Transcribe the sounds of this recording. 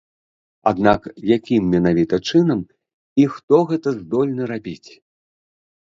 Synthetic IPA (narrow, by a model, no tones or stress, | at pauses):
a̰d̪nakjakʲimːʲɛnavʲit̪ɐt͡ʂɨnɐm | ixt̪ɔɣɛt̪ɐzd̪ɔlʲnɐɾabʲit͡sʲ